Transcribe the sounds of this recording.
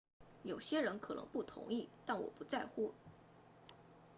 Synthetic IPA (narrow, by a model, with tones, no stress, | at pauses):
jo˨˩ʊɕjɛ˥ɻə˧˥nkʰɤ˨˩nɤ̰˧˥ŋpu˥˩t̪ʰʊ̰˧˥ŋi˥˩t̪a˥˩nwɔ̰˨˩pu˧˥t͡sa˥˧ɪxu˥˩